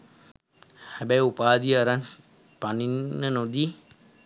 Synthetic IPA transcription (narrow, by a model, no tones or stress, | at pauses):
hɛbɛjupaːd̪iəaɾan | paninːənod̪i